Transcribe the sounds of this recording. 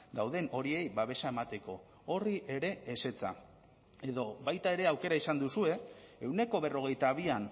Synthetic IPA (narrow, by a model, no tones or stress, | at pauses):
d̪awðe̞no̞ɾie̞jβaβ̞e̞saemat̪e̞ko̞ | oriʔeɾe̞ːse̞t͡sa̰ | e̞ðo̞βajt̪ae̞ɾe̞awke̞ɾaisand̪usue̞e̞wne̞ko̞βe̞ro̞ɣ̞e̞jt̪aβ̞ian